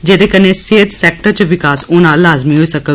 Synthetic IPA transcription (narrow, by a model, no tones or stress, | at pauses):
d͡ʒeːd̪ekɐneseːt̪sɛːk̚ʈəɾt͡ʃəʋɪkaːsʊːnãːlaːzmiɦoisɐkə